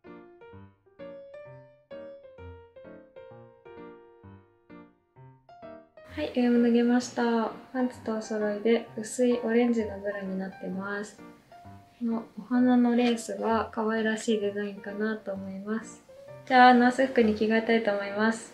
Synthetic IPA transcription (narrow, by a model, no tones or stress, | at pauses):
haiʔɯmɯ̟nɯɡe̞maɕi̥t̪apãnt͡sɨ̥t̪o̞ːso̞ɾo̞id̪e̞ɯ̟sɨiʔo̞ɾẽ̞ɲ̟d͡ʑino̞bɯ̟ɾaɲ̟inat̪ːe̞masɨ̥ | noohanano̞ɾe̞ːsɨɡakaβaiɾaɕiːd̪e̞zaĩŋkanat̪o̞ːmo̞imasɨ̥d͡ʑaːnaːsɨɸɯ̥kɯ̟ɲ̟ikʲiɡaet̪ait̪o̞ːmo̞imasɨ̥